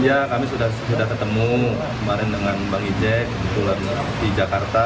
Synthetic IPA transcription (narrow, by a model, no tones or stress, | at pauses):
jakamisudahsudahk̪ərt̪əmu | kəmaɾɪndəŋanbaŋid͡ʒɛk̚ːəbət̪ulan | did͡ʒakart̪a